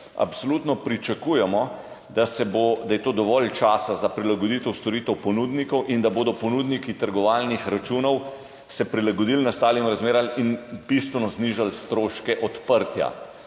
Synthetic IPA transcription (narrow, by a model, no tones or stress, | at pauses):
a̰psolut̪nɔpɾit͡ʃakuːjɛmɔ | d̪asɛbod̪ajɛt̪oːd̪ɔʋɔlt͡ʃaːsazapɾilaɡɔd̪it̪ɛwst̪ɔɾiːt̪ɛwpɔnuːd̪nikɔwʔind̪aboːd̪ɔpɔnud̪nikit̪əɾɡɔʋaːlnixɾat͡ʃuːnɔw | sɛpɾilaɡɔd̪ilnast̪aːlimɾazmeːɾalinbist̪ʋɛnɔzniːʒalst̪ɾoːʃkɛʔɔt̪pəɾt̪ja̰